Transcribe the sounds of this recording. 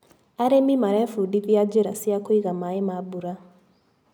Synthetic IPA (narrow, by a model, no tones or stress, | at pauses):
aɾemimaɾaefudiðjaɟeɾasiakoiɣamaimabuɾa